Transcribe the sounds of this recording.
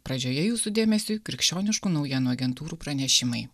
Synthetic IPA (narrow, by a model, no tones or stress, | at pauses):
pɾɐd͡ʒʲoːjɛjuːsud̪ʲeːmʲɛsʲukɾʲɪkʲʃʲt͡ʃʲoːnʲɪʃkuːnɒʊjiɛːnuːɐɡʲɛnt̪uːɾuːpɾɐnʲɛʃʲɪmɐɪ